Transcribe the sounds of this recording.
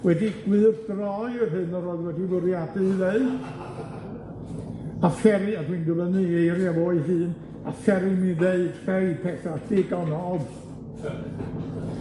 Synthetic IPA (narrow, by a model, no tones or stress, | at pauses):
wɛdiɡ̥wɨːrdrɔjɪrɦɨnəɾoɨðwɛdivʊɾjadɨðeɨd | afɛɾɨadwiːndələnɨejɾjavoːɨɦɨːn | afɛɾɪmiðeɨd̥fɛjpʰɛθadɪɡɔnɔːð